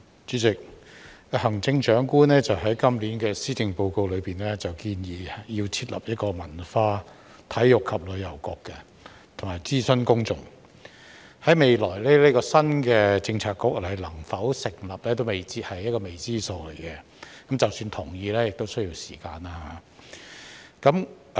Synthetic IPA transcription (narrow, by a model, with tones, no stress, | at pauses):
t͡ʃy˨˥t͡sɪ˨k̚ | hɐ˨˩ŋt͡sɪ˧ŋt͡ʃœː˨˥ŋkuː˥nɛː˥t͡sɐ˨wɦɐ˨˥jkɐ˥mliː˨˥nkɛː˧siː˥tɪ˨˧ŋpo˧wko˧wlɵ˨˧ɥpiː˨˩nlɛ˥t͡sɐ˨wkiː˧njiː˨ji˧wt͡sʰiː˧t̚lɐ̰˨p̚jɐ˥t̚kɔː˧mɐ˨˩nfaː˧ | t̪ʰɐ˨˥jːʊ˨kʰːɐ˨p̚lɵ˨˧ɥjɐ˨˩wkɔː˧kːɛ˧ | t̪ʰʊ˨˩ŋmaː˨˩jt͡siː˥sɵ˥nkʊ˥ŋt͡sʊ˨˩ŋ | hɐ˨˥jme˨˧jlɔː˨˩jlɛː˥le˥kɔː˧sɐ˥nkɛː˧t͡sɪ˧ŋt͡sʰaː˧kːʊ˥k̚lɐ˨˩jlɐ˨˩ŋfɐ˨˥wsɪ˨˩ŋlɐ˨p̚lɛː˥t̪̬o˥wme˨˩jt͡siː˧t̚hɐ˨jːɐ˥kɔː˧me˨jt͡siː˥so˧wle˨˩jkɛ˧ | kɐ˨˥mt͡sɐ˨wsyː˧nt̪ʰʊ˨˩ŋjiː˧lɛː˥jɪ˨k̚t̪o˥wsɵ˥ji˧wsiː˨˩kaː˧naː˧ha˨˦ | kɐ˨˥m